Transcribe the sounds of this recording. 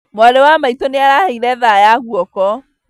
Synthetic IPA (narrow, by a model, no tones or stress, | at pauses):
mwaɾewamaitoneaɾaheiɾɛðajaɣuɔkɔ